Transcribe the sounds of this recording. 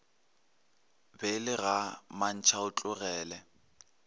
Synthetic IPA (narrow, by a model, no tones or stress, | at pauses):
bɛlɪɣaman̩t͡ʃʰaʊt͡ɬʼʊɣɛːlɛ